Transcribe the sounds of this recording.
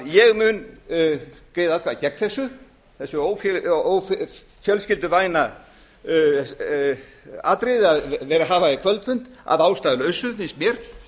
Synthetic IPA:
jɛɣmʏn | keːjðaθkʰvacɛknθɛsːʏ | θɛsːʏoːwfoːwf | fjœlscɪlt̪ʏvaːjna | aːt̪ɾɪðaðvɛːɾaɦaːvaɪkʰvœlt̪fʏnt̪a̰ðaːwst̪aːðlœɥsʏfɪnsmjɛɾ̥

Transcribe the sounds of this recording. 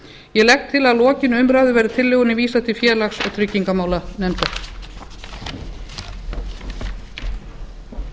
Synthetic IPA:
jɛlɛxt̪ʰːɪlaðlɔːcɪnʏmɾaːðʏvɛjɾɪt̪ʰɪlːeːɣʏnɪviːsat̪ʰɪlfjɛːlaksɔ̰t̪ʰɾʏcːiŋkamaːwlanɛmt̪a

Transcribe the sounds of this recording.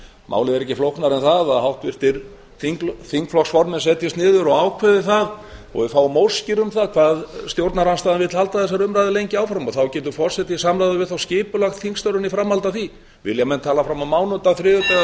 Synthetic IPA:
mʔa̰ːwlɪðɛɾɛhcːɪflowhknaɾɛnθaðaðhawht̪vɪr̥t̪ɪɾ | θiŋklθiŋkflɔksfɔɾmɛnsɛːt̪jast̪nɪːðʏɾɔɣawkʰvɛðɪθað | ɔ̰ɣvɪfaːwmowlscɪɾʏmθaðkʰv̥aːðst̪jowɾt̪naɾanst̪aːðanvɪðt̪lhalt̪aθɛs̬aɾʏmɾajðɪlejɲcɪawfɾamɔɣθawcɛːt̪ʏɾfɔr̥sɛt̪isamlajðʏvɪðθawscɪːpʏlaxt̪θiŋkst̪œɾʏnifɾamhalt̪aθi | vɪ̰ljamɛnt̪ʰaːlafɾamamaːwnʏnt̪aθɾɪːðʏt̪ɛ

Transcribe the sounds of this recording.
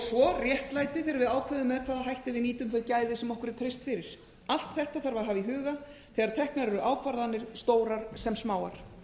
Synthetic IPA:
svɔrjɛht̪laːjt̪ɪfɪɾɪɾvɪðaːwkʰvɛːðʏmːɛðkʰvaːðaɦajht̪ɪvɪniːt̪ʏmθœjcaːjðɪsɛmɔhkʏɾt̪ʰɾejst̪fɪɾɪɾ̥ | al̥t̪θɛht̪aθaɾvaɾɦaːviɦʏːɣaθɛɣaɾ̥t̪ʰɛhknaɾɛɾʏʔaːwkʰvaɾðanːɪɾ̥st̪oːwɾaɾ̥sɛmsmaːwa̰ɾ̥

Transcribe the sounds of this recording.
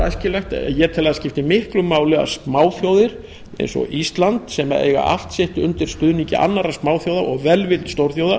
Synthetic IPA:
a̰scɪlɛxt̪jɛɾt̪ʰɪlaðascɪft̪ɪmɪhklʏmaːwlɛɣa̰spmaːwθjowðɪɾ | ḛjnsɔ̰ʔist̪lant̪sɛmaḛːjɣa̰ʔa̰l̥t̪sɪht̪ʏnt̪ɪɾ̥st̪ʏðniɲcɪʔa̰nːaɾaspmaːwθjoːwðaʔɔɣvɛlvɪlt̪st̪owɾ̥θjowða

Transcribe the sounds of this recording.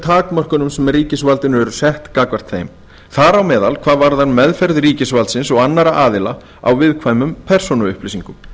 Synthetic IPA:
t̪ʰaːkmœr̥kʏnʏmsɛmɛriːcɪsvalt̪ɪnɛɾʏsɛht̪kaːkvar̥t̪θḛjm | θaɾawmɛːðalkʰvaːðvaɾðanmɛðfɛɾðriːcɪsvalt̪sɪnsɔɣanːaɾaʔaːðɪla | a̰wvɪðkʰvajmʏmpʰɛr̥sɔnaʏhplɪsiŋkʏm

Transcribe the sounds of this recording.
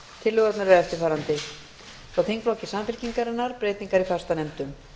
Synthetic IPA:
t̪ʰɪlːʏɣat̪naɾɛɾɛft̪ɪɾfaːɾant̪ɪ | θaθejŋkplɔwcɪ̥saːmfɪl̥ciŋkaɾɪnːaɾpɾeːjt̪niŋkaɾifast̪anɛmt̪ʏm

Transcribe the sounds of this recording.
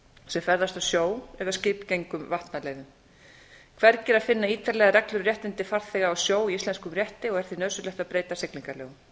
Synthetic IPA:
sɛmfɛɾðast̪awsjoːwɛɣascɪpcejŋkʏmvaht̪nalɛːɣðʏm | kʰvɛɾcɛɾaðfɪnːaiːt̪aɾlɛɣaɾɛklʏɾrjɛht̪ɪnt̪ɪfaɾ̥θɛɣaawsjoːwiislɛnskʏmrjɛht̪ɪɔɣɛɾ̥θinœːðsʏɾlɛht̪apɾeːjt̪asɪkliŋkalɛ̰ːɣʏm

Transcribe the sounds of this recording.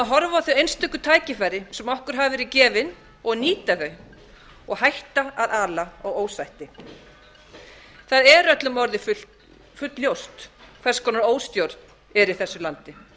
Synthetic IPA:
aɦɔɾvaθœɥejnst̪ʰʏkːʏt̪ʰaːjcɪfajɾɪsɛmɔhkʏɾ̥ɦaːvɪvɛɾɪcɛːvɪn | ɔɣniːt̪aθœɥ | ɔɣhajht̪aaðaːlaaɣoːwsajht̪ɪ | θaðɛɾœt̪lʏmɔɾðɪfʏ | fʏt̪ljowst̪kʰvɛrskʰɔnaɾoːwst̪jowɾt̪ | ɛɾi̥θɛsːʏlant̪ɪ

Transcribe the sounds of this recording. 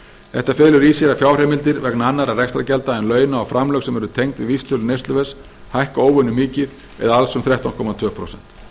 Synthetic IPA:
θɛht̪afɛːlʏɾisjɛɾafjaːwr̥ɛːmɪlt̪ɪɾvɛknaanːaɾaðrɛkst̪ɾacɛlt̪aɛnlœːɥnaːwfɾamlœxsɛmɛɾʏt̪ʰejŋkt̪vɪvist̪ʰœlʏnejst̪lʏvɛs | hajhkaoːwvœnʏmɪːcɪð | ɛ̰ðaalsʏmθɾɛht̪awnkʰɔːmat̪ʰvœːpʰɾo̰wsɛn̥t̪

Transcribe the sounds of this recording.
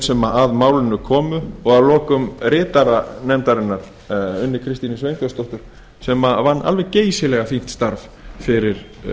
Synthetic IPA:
sɛmaʔaðmaːwlɪnːʏkʰɔːmʏɔɣalɔːkʏmrɪːt̪aɾanɛmt̪aɾɪnːaɾ̥ | ʏnːɪ̥ɾkʰɾɪst̪inɪsvejnk̪œst̪ɔht̪ʏɾ̥ | sɛmavanːʔa̰lvɛɣceːjsɪlɛɣafin̥t̪st̪aɾvfɪɾɪɾ̥

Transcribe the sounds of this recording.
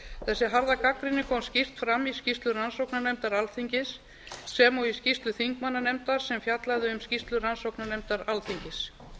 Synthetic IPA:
θɛsːɪɦaɾðakakɾɪnːɪkʰɔmscir̥t̪fɾamːiscist̪lʏɾransowknanɛmt̪aɾalθiɲcɪsː | ɛmɔwiscist̪lʏθiŋkmanːanɛmt̪aɾ̥sɛmfjat̪laðɪʏmscist̪lʏransowknanɛmt̪aɾalθiɲcɪs

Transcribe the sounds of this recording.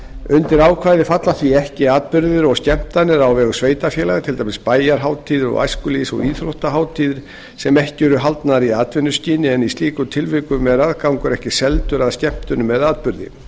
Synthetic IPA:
ʏnt̪ɪɾaːwkʰvaːjðɪfat̪laθviɛhcɪaːt̪̚pʏɾðɪɾɔɣscɛm̥t̪anɪɾawvɛːɣʏsveːjt̪afjɛːlaɣt̪ʰɪlt̪amɪspaːjaɾ̥ɦaːwt̪ʰiːðɪɾɔ̰ɣa̰jskʏlisɔ̰ɣiːθɾowht̪aɦawt̪ʰiːðɪɾ̥ | sɛmɛhcɪɛɾʏɦalt̪naɾiaːt̪vɪnːʏsciːnɪɛnist̪iːkʏt̪ʰɪlvɪkʏmɛðɾaðkawŋkʏɾɛhcɪsɛlt̪ʏɾaðscɛm̥t̪ʏnʏmɛðaːt̪̚pʏɾðɪ̰

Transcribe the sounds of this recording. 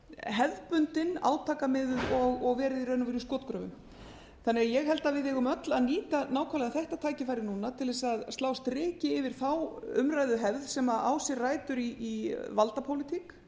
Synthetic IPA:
ɦɛðpʏnt̪ɪna̰ːwt̪ʰaːkamɪðʏðɔɣɔɣvɛːɾɪðirœːnʏvɪɾskɔːt̪kɾœvʏ̰m | θanːɪɣajɛɣɦɛlt̪avɪðɪɣʏmœt̪laðniːt̪anaːwkʰalɛðaθɛht̪at̪ʰaːjcɪfajɾɪnuːnat̪ʰɪlvɛsaðst̪aːwst̪ɾɪːcɪːvɪɾ̥θawʏmraːjðʏɦɛvðsɛmaa̰wsɛrraːjt̪ʏɾiːvalt̪apʰowlɪt̪ʰik

